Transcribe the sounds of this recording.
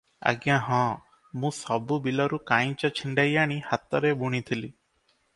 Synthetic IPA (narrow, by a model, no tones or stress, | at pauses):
a̰ɡjãɦɔ̃ | mũsɔbubilɔɾukãĩt͡ʃɔt͡ʃʰiɳɖajaɽ̃ihat̪ɔɾebuɽ̃it̪ʰili